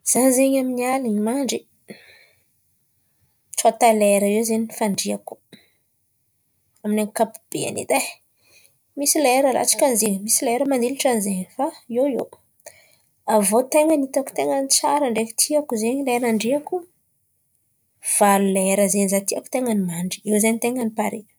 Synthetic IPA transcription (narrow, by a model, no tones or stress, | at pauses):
z̥anzeɲaminialiɲimaɳɖ͡ʐi | t͡sat̪aleɾəewzeɲifaɳɖ͡ʐiaku̥ | aminaŋkapub̥ḛa̰nḛt̪a | misilaeɾəɾa̰t͡si̥kʲanzeŋmisilaeɾəmand̪iluʈ͡ʂanizeɲfaewḛw | avot̪eŋənit̪aku̥t̪eŋənit͡saɾəɳɖ͡ʐefi̥t̪ʰiakuzeɲilaeɾaɳɖ͡ʐiaku | v̥alulaeɾəzenizat̪iaku̥t̪eŋənimaɳɖ͡ʐi̥ewzanit̪eŋənipaɾe̥